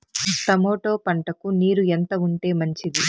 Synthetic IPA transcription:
t̪ɐmoːʈo̞ːpɐɳʈɐkuniːɾuent̪ɐuɳʈe̞ːmɐɲt͡ʃid̪i

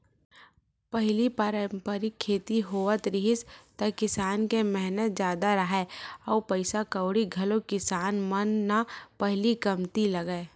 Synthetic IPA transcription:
pəɦlipəɾəmpəɾɪkʰːeːt̪iɦoːət̪ɾɪɦɪst̪ɐkɪsaːnkemɛɦnət̪̚d͡ʒjaːd̪aɾəɦɛɔːpəɪsakəʊɽiɡʱɐlokɪsaːnmənːapəɦlikəmt̪iləɡəe

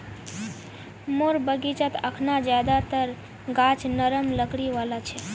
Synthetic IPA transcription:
moɾbəɡit͡ʃət̪əkʰnad͡ʒjad̪at̪əɾ | ɡat͡ʃnəɾəmləkɽiʋalat͡ʃʰɛ

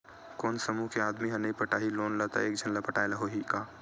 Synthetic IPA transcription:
kɔːnsəmukeaːd̪miɦɐ̃nɐɦĩpəʈaːɦiloːnlət̪a̰eːk̚d͡ʒʱənlapəʈaːjlaɦoɦikaː

